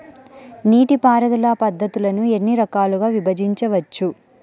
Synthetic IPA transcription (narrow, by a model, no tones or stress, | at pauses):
niːʈipaːɾɐd̪ulaːpɐd̪ʱːɐt̪ulɐnue̞nːiɾɐkaːluɡaːʋibɐd͡ʒiɲt͡ʃɐʋɐt͡ʃːu